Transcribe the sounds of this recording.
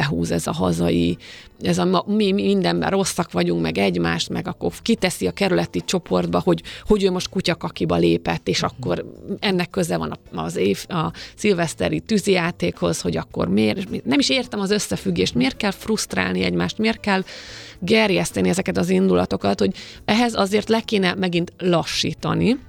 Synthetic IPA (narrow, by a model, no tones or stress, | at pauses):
ɛɦṵːzɛzɒɦɒzɒ̰jḭ | ɛzɒmimmind̪ɛmbɛ̰ro̞sːɒkʋɒɟuŋkmɛɡɛɟmaːʃt̪mɛɡɒkːo̰rkit̪ɛsiɒkɛɾylɛt̪it͡ʃo̞po̞rd̪bɒho̞ɟho̞ɟøːmo̞ʃt̪̚kucɒkɒkibɒleːpɛt̪ːeːʃɒkːo̞ɾɛnːɛkːøzɛvɒ̰nɒɒzeːfɒsilvɛst̪ɛ̰ɾit̪yzijaːt̪eːkho̞zho̞ɟɒkːo̞̰rmeːɾmenɛmiʃeːrt̪ɛmɒzøsːɛfyɡːeːʃt̪meːrt̪̚kɛlfrust̪ra̰ːlniɛɟma̰ːʃt̪meːrt̪̚kɛlɡɛrjɛst̪ɛniɛzɛkɛt̪ɒzind̪ulɒ̰t̪o̞kɒt̪ho̞ɟɛɦɛzɒzeːrt̪lɛkeːnɛmɛɡint̪lɒʃːḭːt̪ɒni